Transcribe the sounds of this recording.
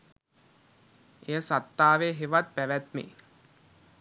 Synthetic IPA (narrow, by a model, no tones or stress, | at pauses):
ejəsat̪ːaːʋeɦeʋat̪̚pæʋæt̪mḛ